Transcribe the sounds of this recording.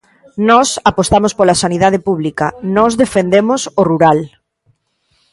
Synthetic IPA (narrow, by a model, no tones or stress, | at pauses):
nɔsapost̪amospolasaniðað̞ɪpuβ̞likanɔzðefend̪emʊsoruɾal